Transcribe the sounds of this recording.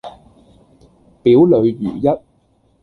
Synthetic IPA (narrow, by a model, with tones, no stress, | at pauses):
piː˨˥wlɵ˨˧ɥjyː˨˩jɐ˥t̚